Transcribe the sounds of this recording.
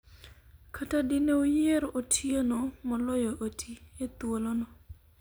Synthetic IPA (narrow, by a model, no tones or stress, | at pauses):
kʰatadineojeɾotʰienɔmɔlɔjoʔotʰiet̪wolɔnɔ